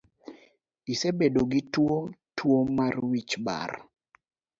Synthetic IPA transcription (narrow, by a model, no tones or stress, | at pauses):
isebedoɡitwotwomarwit͡ʃba̰r